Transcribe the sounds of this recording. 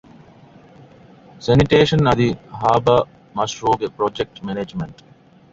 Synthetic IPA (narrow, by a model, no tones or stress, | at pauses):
sɐniʈeːʃə̃nɐd̪iɦaːbɐ | mɐsʈɾoːɡepɾɔːd͡ʒek̚ʈmɛneːd͡ʒmẽɳʈ